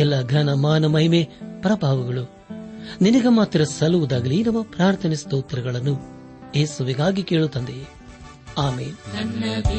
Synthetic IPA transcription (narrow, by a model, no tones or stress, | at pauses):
ɛlːɐɡɐnɐmaːnɐmɐɦimepɾɐbʱaːʋɐɡɐɭu | ninɐɡɐmaːt̪ɾɐsɐluʋud̪aːɡɐlinɐmːɐpɾaːɾt̪ʰɐnist̪oːt̪ɐɾɐɡɐɭɐnːu | jeːsuʋiɡaːɡike̞ːɭut̪ːɐnd̪e | aːmeːn